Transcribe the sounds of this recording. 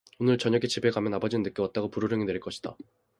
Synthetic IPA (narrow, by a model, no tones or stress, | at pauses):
onɯɭt͡ɕʌɲʌɡet͡ɕibe̞ɡamjʌnabʌd͡ʑinɯnːɯk͈jʌwat̚t͈aɡopuɾoɾjɯŋinwe̞iɭk͈ʌɕʰi̥d̥a̰